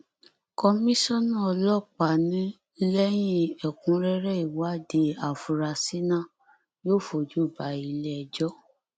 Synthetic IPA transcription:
kɔ˧mĩ˦sɔ̃˦nã˦ɔ˧lɔ˦˨k͡pa˨nĩ˨˦ | lɛ˦j̃ĩ˦ɛ˨kũ˧˦ɾɛ˦ɾɛ˦i˨wa˨˦de˧˦a˨fu˨ɾa˧si˦nã˦˨ | joː˦˨fo˨d͡ʒu˦˨ba˨˦i˧lɛ˦˧d͡ʒɔ˦

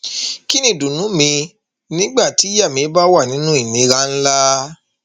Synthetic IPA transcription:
ki˦nĩ˦˨dũ˨nũ˨˦mĩ˧ | nĩ˦ɡ͡ba˦˨ti˨˦ja˦˨mĩ˧e˨˦ba˦wa˦˨nĩ˨˦nũ˦i˦˨nĩ˨˧ɾã˦n̩˦la˦

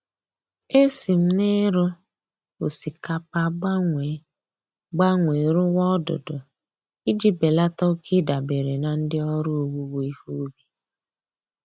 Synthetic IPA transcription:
e˦si˨m̩˦ne˦ɾʊ˦ | o˨si˨ka˨pa˦ɡ͡ba˦ŋʷe˨˦ | ɡ͡ba˦ŋʷe˨ɾʊ˦wɔ˦dʊ̰˨dʊ˨ | i˦d͡ʒi˦be˨la˦ta˦o˦kʰi˦da˨be˨ɾe˨na˨n̩˦dɪ˦ɔ˦ɾʊ˦o˦˨wu˦wo˦i˦hu˦bi˨

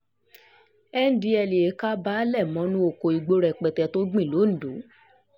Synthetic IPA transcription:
ɛ˦n̩˨di˧˦ɛ˧˨li˨e˨˦ka˦ba˦lɛ˦˨mɔ̃˨˦nũ˦o˨ko˨i˨ɡ͡bo˧ɾɛ˨k͡pɛ˨tɛ˧˨to˦ɡ͡bĩ˦˨lo˨˦n̩˨do˨˦

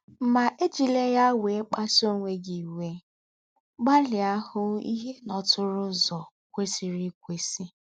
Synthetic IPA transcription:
m̩˦ma˨ʔe˦d͡ʒi˨le˦ja˦we˨˦k͡pa˦so˦˨ŋʷe˨ɡi˨we˦ | ɡ͡ba˦lɪ˨a˦hʊ˦ḭ˦ɦe˦nɔ˨tʊ˦ɾʊ˦zɔ˨ | kʷe˦si˨ɾi˦kʷe˨si˦

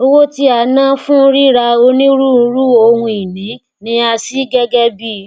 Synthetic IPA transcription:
o˦wo˦ti˦a˨˦nã˦fũ˦ɾi˦ɾa˧o˧nĩ˦ɾu˦˧˦ɾu˦o˧hũ˧i˨nĩ˨˦ | nĩ˨˦a˧si˦ɡɛ˦ɡɛ˦bi˦

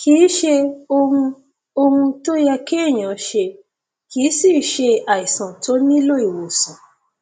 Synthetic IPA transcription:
kiː˨˦ʃe˧o˧ũ˧ | o˧hũ˧to˦jɛ˧ke˦e˦˨j̃ã˨˦ʃe˧ | ki˨˦si˦˨ʃe˧a˨i˨sã˨to˨˦nĩ˦lo˦i˨wo˨sã˨

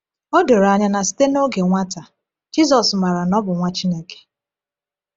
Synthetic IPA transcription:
o˦do˨ɾa˨ɲa˦na˨si̥˦te˦no˦ɡe˨ŋʷa˦ta˨ | d͡ʒi˦zɔ˨sma˨ɾa˨nɔ˦bʊ˨ŋʷa˦t͡ʃi˦ne˦ke̥˨

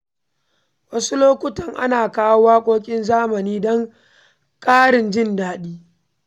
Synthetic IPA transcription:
wɐ˦su˦loː˦kʷʊ˦tɐ˨ŋʔa̰˦naː˨kaː˦wwaː˦kʷʼoː˦kʲʼɪ˦nzaː˦mɐ˨niː˦dɔ˦ŋ | kʼaː˦ɽɪ˨nd͡ʒɪ˦ndaː˨ɗiː˦

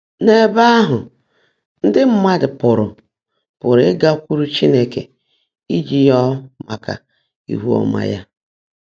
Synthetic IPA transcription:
ne˨ba˦a˦ɦʊ˨ | n̩˦dɪ˦m̩˦ma˦dɪ˨pʊ˨ɾʊ˨ | pʊ˨ɾɪ˦ɡa˦kʷu˦ɾu˦t͡ʃi˦ne˦kḛ˨ | i˦d͡ʒi˦jɔ˦ma˨ka̰˨ | ḭ˨ɦu˦ɔ̰˨ma̰˨ja˦

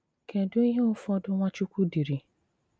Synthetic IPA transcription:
kʰɛ̃˨dʊ̃˦jẽ˦ʊ˦fɔ˧˦dʊ̃˦w̃ã˦t͡ʃu˦kʷu˦di˨ɾi˨

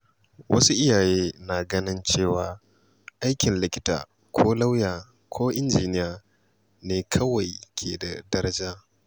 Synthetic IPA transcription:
wʔɐ̰˦su˦ʔɪ˦jaː˨jeː˦naː˨ɡɐ˦nɪ˦nt͡ʃeː˦˨waː˨ | ʔa˦jkʲɪ˨nlɪ˦kʲɪ˦ta̰ː˨ | kʷʰoː˦la˦wjaː˨ | kʰoː˦ʔɪ˦nd͡ʒiː˨nɪ˦jaː˨ | neː˨kʰɐ˦wa˨jkʲʰḛː˨da˨dɐ˦ɾɐ˦d͡ʒaː˦

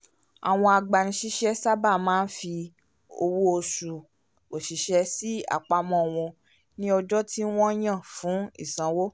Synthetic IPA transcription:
a̰˨w̃ɔ̃˧a˧ɡ͡ba˨ɾ̃ĩ˧ʃi˦ʃɛ˦sa˦ba˦˨mãː˦n̩˦fi˧ | o˧wu˦o˧su˨ | o˨ʃi˨ʃɛ˧˦si˦a̰˦˨k͡pa˧mɔ̃˨w̃ɔ̃˧ | nĩ˦ɔ˧d͡ʒɔ˦tʰi˦w̃ɔ̃˦j̃ã˦˨fũ˨˦ḭ˦˨sã˨˦wo˦

